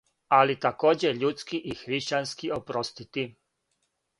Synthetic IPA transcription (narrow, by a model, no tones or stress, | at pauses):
alit̪akoːd͡ʑeʎut̪skiʔixɾiʃt͡ɕanskiopɾost̪it̪i